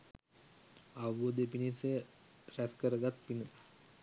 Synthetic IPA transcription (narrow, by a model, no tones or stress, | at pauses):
aʋod̪epinise | ræskəɾəɡat̪̚pinə